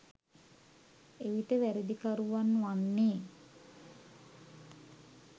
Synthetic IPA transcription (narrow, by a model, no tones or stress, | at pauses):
eʋit̪əʋæɾid̪ikaɾuʋanːʋanːeː